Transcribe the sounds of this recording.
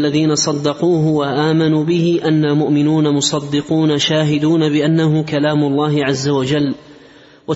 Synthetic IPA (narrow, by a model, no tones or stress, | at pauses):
lːaðiːnasˤɑd̪ːɑquːɦʊwaʔaːmanuːbɪhɪʔanːalmʊʔmɪnuːnamʊsˤɑd̪ːɪquːnaʃaːɦɪd̪uːnabɪʔanːaɦʊkalaːmʊlˤːɑːɦɪʕazːawad͡ʒalː | wa